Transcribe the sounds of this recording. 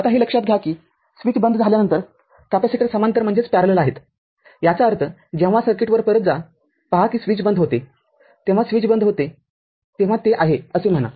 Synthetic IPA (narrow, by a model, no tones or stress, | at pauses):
at̪aɦiləkʂat̪̚ɡʱjakiː | sʋiːt͡sbənd̪d͡zʱaljanənt̪əɾ | t̪apaɕekɾəsəmant̪əɾm̤əɳd͡zet͡spæɾələlaɦet̪ | jat͡saəɾt̪ʰəd͡ʑẽʋ̤asəɾkeʈʋəɾpəɾət̪̚d͡za | paɦakiːsʋiːt͡sbənd̪ɦot̪e | t̪ẽʋ̤asʋiːt͡sbənd̪ʱɦot̪e | t̪ẽʋ̤at̪eʔaɦeəsem̤əna̰